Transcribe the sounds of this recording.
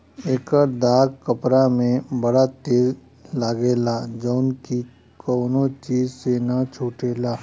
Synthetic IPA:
eːkəɾd̪aːɡkəpɾamẽbɐɽat̪eːz | laːɡeːlad͡ʒɔʊnki | kɔːnot͡ʃiːzsenat͡ʃʰuːʈeːlaː

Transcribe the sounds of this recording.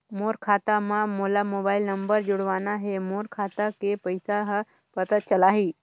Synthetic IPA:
moːɾkʰaːt̪amãmolamoːbaːɪlnəmbəɾd͡ʒʊɽʋaːnaɦemoːɾkʰaːt̪akepəɪsaɦ | pət̪ət̪̚t͡ʃəlaɦiː

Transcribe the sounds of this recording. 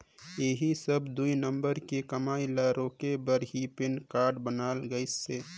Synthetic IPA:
eɦisəbd̪uinəmbəɾkekəmaːilaɾoːkebəɾɦipɪnkaːɾɖbənaːlɡəɪsːeː

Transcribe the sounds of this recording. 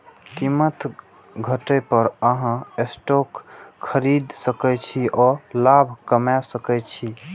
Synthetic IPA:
kimət̪ | ɡʱəʈəpəɾəɦãesʈokʰːəɾid̪səkɛt͡ʃʰiʔɔlabʱkəmɛsəkɛt͡ʃʰi

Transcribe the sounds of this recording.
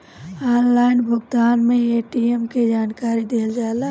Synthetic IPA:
aːnlaɪnbʱʊɡd̪aːnmẽeʈiemked͡ʒaːnkaːɾid̪eːld͡ʒaela

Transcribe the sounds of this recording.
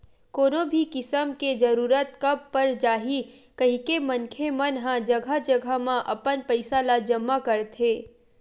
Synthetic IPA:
koːnobʱikɪsəmked͡ʒɐɾuːɾət̪kɐb̚pɐɾd͡ʒaːɦikɐɦikemɐnkʰemɐnɦãd͡ʒɐɡʱad͡ʒəɡʱamãʔɐpənpɐɪsalad͡ʒəmːakɐɾt̪ʰeː

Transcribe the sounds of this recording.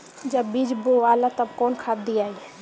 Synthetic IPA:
d͡ʒəbːid͡ʒboʋaːlat̪ɐbkɔːnkʰaːd̪iaːi

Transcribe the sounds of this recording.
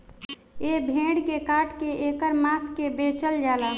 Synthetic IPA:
eːbʱẽːɽkekaːʈkeeːkəɾmaːskebeːt͡ʃəld͡ʒaːlaː

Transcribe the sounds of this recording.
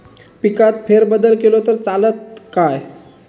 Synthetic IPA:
pikat̪feɾbəd̪əlkelot̪əɾt͡salət̪̚kaj

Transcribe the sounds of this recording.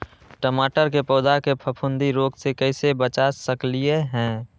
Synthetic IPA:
ʈəmaːʈəɾkepɔːd̪akepʰəpʰʊ̃nd̪iɾoːɡsekɛɪsebət͡ʃasəklieɦɛ̃ː

